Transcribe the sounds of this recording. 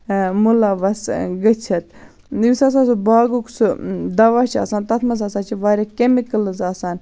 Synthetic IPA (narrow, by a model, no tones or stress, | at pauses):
mulaːʋɐsɡɐt͡ʃʰɐt̪̚ | jusas̬aːs̬ubaːɡuksud̪ɐʋaːt͡ʃʰa̰ːsaːnt̪ɐt̪ʰmɐs̬aːsaːt͡ʃʰiʋaːɾʲakemikəlɨzaːsaːn